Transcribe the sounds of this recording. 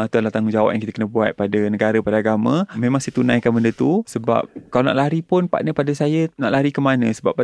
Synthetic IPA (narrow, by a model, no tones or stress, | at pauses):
t̪uadalaht̪aŋuŋd͡ʒawa̰p̚jaŋkit̪əkənəbua̰t̪̚padanəɡaɾəpadaaɡamə̃mẽmãŋsajət̪unãjkanbəndət̪usəba̰p̚kalana̰ʔlaɾipʊnpa̰ʔnəpadəsajənaʔlaaɾikəmanə̃səbap̚ːa